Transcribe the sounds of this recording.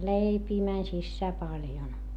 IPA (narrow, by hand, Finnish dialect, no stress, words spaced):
leipiː mænʲ sisːæː pɑljon